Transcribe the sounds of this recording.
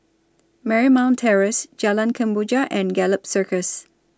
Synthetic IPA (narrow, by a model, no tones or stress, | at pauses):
mɛɹimãʊ̃ntʰɛɹəsd͡ʒalãnkʰə̃mbud͡ʒaʔɛ̃nɡɛləpsəkəs